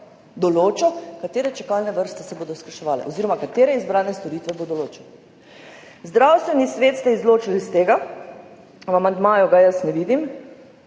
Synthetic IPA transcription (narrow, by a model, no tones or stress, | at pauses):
d̪ɔloːt͡ʃɔkat̪eːɾɛt͡ʃɛkaːlnɛʋəɾst̪ɛsɛboːd̪ɔskɾaʃɛʋaːlɛ̰ʔoziːɾɔmakat̪eːɾɛizbɾaːnɛst̪ɔɾiːt̪ʋɛbod̪ɔloːt͡ʃɛ | zd̪ɾawst̪ʋɛnisʋeːt̪st̪ɛizloːt͡ʃilist̪eːɡa | amand̪maːjuɡajəsnɛʋiːd̪im